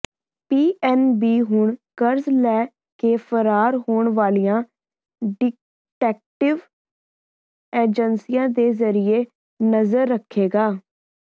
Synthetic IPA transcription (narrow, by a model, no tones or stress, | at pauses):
piːʔɛːnbiːɦʊɳkəɾzlɛː | keːfʰəɾaːɾɦoːɳʋaːlijãː | ɖɪ | ʈɛːk̚ʈɪʋ | eːd͡ʒənsijãːd̪eːzəɾɪeː | nəzəɾːəkʰːeːɡaː